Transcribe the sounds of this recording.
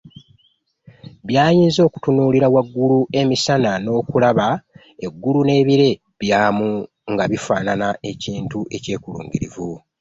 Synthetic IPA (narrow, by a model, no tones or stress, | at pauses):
βjaːjiːnzo̞ːku̥tunuːliɾawaɡːulue̞misanano̞ːkulaβa | e̞ɡːulune̞ːβiɾe̞ | βjaːmu | ŋɡaβifaːnanaʔe̞ciːntuʔe̞ce̞ːkulṵːŋɟiɾḭvu